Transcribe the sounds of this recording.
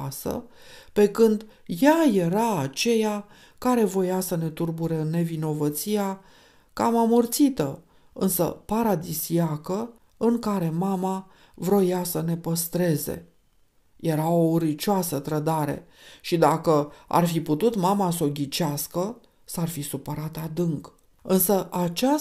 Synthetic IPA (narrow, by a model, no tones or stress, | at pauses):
sə̰ | pe̞kɨnd̪jaje̞ɾaːt͡ʃe̞ja | kaɾe̞vo̞jasəne̞t̪urbuɾene̞vino̞vət̪sia | ka̰mamurt̪sit̪ə | ɨnsə̰paɾad̪isiakə | ɨŋkaɾe̞mama | vɾo̞jasəne̞pəst̪ɾe̞ze̞̰ | je̞ɾaoɾit͡ʃasət̪ɾəd̪aɾe̞̰ | ʃid̪akəa̰rfiput̪ut̪mamaso̞ɡʲit͡ʃaskə | sarfisupəɾat̪ad̪ɨŋk | ɨnsəʔat͡ʃa